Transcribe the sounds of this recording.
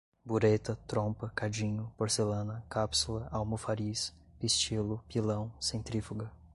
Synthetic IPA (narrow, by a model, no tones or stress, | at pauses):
buɾet̪ɐt̪ɾõpɐkad͡ʒĩɲʊpoɾselɐ̃nɐkapsulɐawmufaɾis | pist͡ʃilʊpilɐ̃w̃sẽt̪ɾifuɡɐ